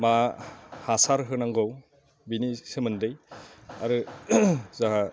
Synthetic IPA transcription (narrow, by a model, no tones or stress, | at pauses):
mahasaɾɦɯnaŋɡɔw | binisɯmɯndɯjaɾɯ | zaɦa